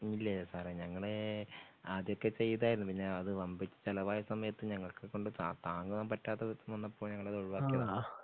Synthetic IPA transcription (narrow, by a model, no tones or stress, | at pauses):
ilːɐsaːɾeɲɐŋːɐɭe | ɐðjo̞kːe̞t͡ɕe̞jːɐðaːjiɾunːupiɲːeɐðɨʋɐmbit͡ɕːɨ̥t͡ɕelɐʋaːjɐsɐmɐjɐt̪ːɨɲɐŋːɐɭkɨkːo̞ɳɖɨt̪a̰t̪aːŋɡumaːmpɐtːaːt̪ːet̪ːmonːɐpːoːɭɲɐŋːɐɭɐðoɻuʋaːkːijɐða